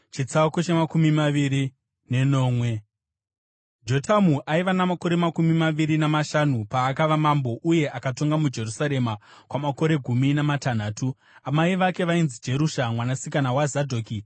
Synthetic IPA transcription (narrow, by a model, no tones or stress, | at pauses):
t͡ʃit͡saukot͡ʃemakumimaʋiɾi | ne̞no̞ːmwe̞ | d͡ʒo̞tʰamuʔaiʋanamako̞ɾe̞makumimaʋiɾinamaʃanupaːkaʋamambo̞ʔuje̞ʔakato̞ŋɡamud͡ʒe̞rusaɾe̞makwamako̞ɾe̞ɡʱuminamatan̤aːtu | amaiʋake̞ʋainzid͡ʒe̞ɾuʃamwanasikanawazadʱoːki